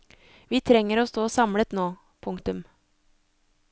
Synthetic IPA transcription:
ʋiːt̪ʰɾɛŋəɾoːst̪oːsɑmlət̪noː | pʰʊŋkt̪ʉm

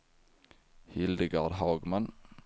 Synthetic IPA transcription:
hɪld̪əɡaɖ̪ɦɑːɡman

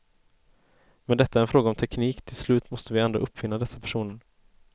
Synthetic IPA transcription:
mɛnd̪ɛt̪ːaæɾɛnfɾoːɡaɔmt̪ʰɛkniːkt̪ʰɪlslʉ̟ːt̪mɔst̪əvɪɛnd̪ɾaʔɵpːfɪnːad̪ɛsːapʰæ̥ʂuːnəɳ

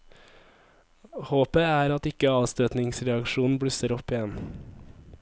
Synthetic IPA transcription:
hoːpəæːɾɑt̪ɪkəɑːʋst̪øːt̪nɪŋsɾɛɑkʃuːn̩bɽʏsəɾɔpɪɛn

